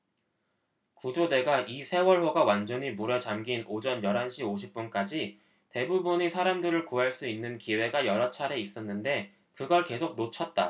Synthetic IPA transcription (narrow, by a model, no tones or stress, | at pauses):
kud͡ʑode̞ɡaʔisʰe̞wʌɭɸoɡawand͡ʑʌɲimuɾʌd͡ʑamɡinod͡ʑʌnjʌɾɦanɕʰioɕʰip̚p͈unk͈ad͡ʑi | te̞bubuɲisʰaɾamdɯɾɯɭkuɦaɭs͈uinːɯnkiwe̞ɡajʌɾat͡ɕʰaɾe̞is͈ʌnːɯnde̞ | kɯɡʌɭke̞sʰok̚not͡ɕʰʌt̚t͈a